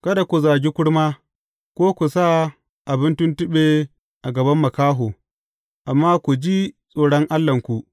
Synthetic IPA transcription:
kɐ˦da˨kʷu˨zaː˨ɡʲi˦kʷʊ˦ɽmaː˦ | kʷoː˦kʷu˨sa˦ | ʔa˨bɪ˦ntʊ˦ntʊ˦ɓeː˨ | ʔa˨ɡɐ˨bɐ˦mːɐ˨kaː˦ɦoː˨ | ʔa˨mːaː˦kʷu˨d͡ʒi˦sʼoː˨ɽɔ˦ŋʔa˦lːɐ˨ŋkʷu˨ʔ

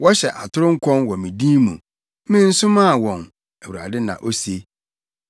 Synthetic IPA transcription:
wɔ˦ɕɛ˨ʔa˨tʰʊ˦ɾʊ̃˦ŋ̩˦kʷʰɔ̃˦nwɔ˨mĩ˨dĩ˦mũ˨ | mɪ̃˦n̩˦sʊ˦mã˦˨wɔ̃˨n | æ˨wu˨ɾa̰˨dɪ˦nã̰˨ʔo˦se˦

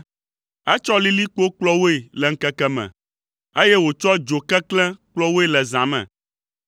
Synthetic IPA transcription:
ɛ˦t͡ʃɔ˦li˦li˦k͡po˦k͡plɔ˦wo˦e˨lɛ˨ŋ̩˦kɛ˦kɛ˦mɛ̰̃˨ | e˦jɛ˦wo˨t͡ʃɔ˦d͡ʒo˨kɛ˦klɛ̃˦k͡plɔ˦wo˦e˨lɛ˨zã˨mɛ̰̃˨

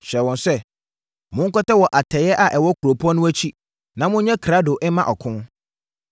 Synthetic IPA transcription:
ɕɛ˨wɔ̃˨nsɛ˦ | mʊ̃˦ŋ̩˦kɔ˦ta˦wɔ˨ʔa˨tʰɛ˨jɛ˦ʔa˨ʔɛ˨wɔ˦kʰu˨ɾo˨pʰu˦ɔ̃˦nʊ̃˦æ˦t͡ɕʰi˦ | nã˨mʊ̃˦ɲɛ̃˦kʰɾa˦do˨ʔɛ˦mã˦ʔɔ˨kʰʊ̃˦n

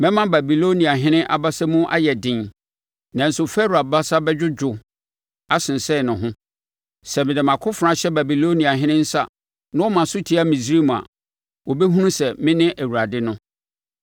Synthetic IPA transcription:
mɛ̃˦mã˦ba˨bi˨lo˦nĩ˨a˨ɦɪ̃˦nɪ̃˦ʔa̰˨ba˦sɛ˦mũ˦ʔa̰˦jɛ˨dɪ̃˨n | nã˨n̩˦sʊ˨fɛ˦ɾu˨a˨ba˦sa˦bɛ˦d͡ʑᶣʊ˦d͡ʑᶣʊ˨ | a˦sɪ̃˨n˨sɛ˦˨nʊ̃˨ɦʊ̃˦ | sɛ˨mɪ̃˨dɛ˨mã˨kʰʊ˦fɾã˦ɕɛ˦ba˨bi˨lo˦nĩ˨a˨ɦɪ̃˦nɪ̃˦n̩˦sa˦ | nã˦wɔ˦mã˨sʊ˦tʰi˦a˦mĩ˨sɾi˦m˨a̰˨ | wɔ˨bɛ˦ɦũ˦nũ˦sɛ˨mɪ̃˦nɪ̃˦ʔæ˨wu˨ɾa˨dɪ˦nʊ̃˦

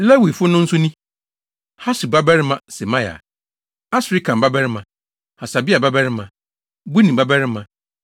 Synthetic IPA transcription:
lɛ˦wi˨fʊ˦nʊ̃˦n̩˦sʊ˦nĩ˦ | ha˦su˨ba˦bɛ˦ɾɪ˦mã˨sɛ˨mã˦ja̰˨ | a˦sɾi˦kʰã˨m˨ba˦bɛ˦ɾɪ˦mã˨ | ha˨sa˨bi˦a˨ba˦bɛ˦ɾɪ˦mã˨ | bu˦nĩ˨ba˦bɛ˦ɾɪ˦mã˨

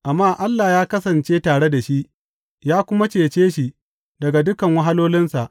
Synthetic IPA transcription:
ʔa˨mːaː˦ʔa˦lːaː˨jaː˦kɐ˦sɐ˨nt͡ʃeː˦taː˨ɽe˦da˨ʃi˦ʔ | jaː˦kʷʊ˦ma˦t͡ʃeː˨t͡ʃeː˦ʃi˨ | dɐ˨ɡa˨dʊ˦kɐ˨ŋwɐ˦ɦa˦loː˦lɪ˦nsa˨ʔ

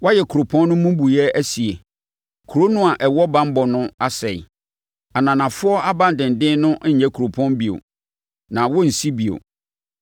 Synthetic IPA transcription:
wɔ˦jɛ˨kʰu˨ɾo˨pʰɔ̃˦nː˦ʊ̃˦mũ˦bu˨jɛ˦æ˦si˨e˨ | kʰu˨ɾo˦nʊ̃˦a˨ʔɛ˨wɔ˦bã˦m˦bɔ˨nʊ̃˦a˦sɛ˨ḭ˨ | a˨nã˨nã˨fʊ˦ɔ˦a˦bã˦n˨dɪ̃˨n˨dɪ̃˦nʊ̃˦ɲɛ˦kʰu˨ɾo˨pʰɔ̃˦nbi˨o̰˨ | nã˨wɔ˦n̩˨si˦bi˨o̰˨

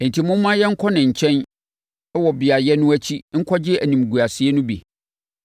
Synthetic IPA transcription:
ɛ˨n̩˨tʰi˨mʊ̃˦m˦mã˦jɛ˦ŋ̩˦kʰɔ˦nɪ̃˨ɲ̩˨t͡ɕʰɛ̃˦n | ɛ˦wɔ˨bɪ˨a˨jɛ˦nʊ̃˦æ˦t͡ɕʰi˦ŋ̩˦kʰɔ˦d͡ʑɪ˦æ˨nĩ˨mɡu˨a˨sɪ˦e˦nʊ̃˦bḭ˨

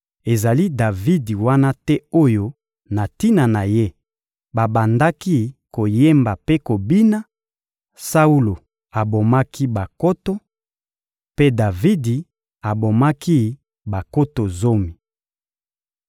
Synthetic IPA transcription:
e˨za˨li˦da˨vi˦di˨wa˦na˦tɛ˦o˦jo˦ | na˨ti˦na˨na˨je˦ | ba˨ba˨nda˦ki˦ko˨je˦mba˨pe˦ko˨bi˦na˦ | sa˦u˦lo˨ | a˨bo˨ma˦ki˦ba˨ko˦to˦ | pe˦da˨vi˦di˨ | a˨bo˨ma˦ki˦ | ba˨ko˦to˨zo˦mi˨

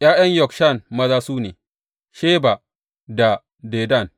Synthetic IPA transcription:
ʔj̰aː˦j̰ɐ˦ɲjɔ˨kʃa˦˨nmɐ˦zaː˦suː˦nḛː˨ | ʃeː˦ba˨ | da˨ | deː˨da˦˨n

